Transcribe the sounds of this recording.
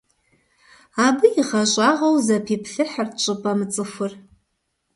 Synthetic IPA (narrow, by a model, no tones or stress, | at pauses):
abɨiʁaʒʷʼaʁawzapʰipʰɬɨħart͡ʃʷʼɨpʼamɨt͡sʼɨfʷʊr